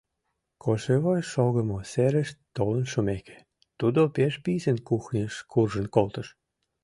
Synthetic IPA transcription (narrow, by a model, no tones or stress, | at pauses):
kʰoʃeβojʃoɣə̆moseɾə̆ʃt̪olənʃomekʰe̥ | t̪ud̪opeʃpisə̆nkuxnʲəʃkʰurʒə̆nkolt̪ə̆ʃ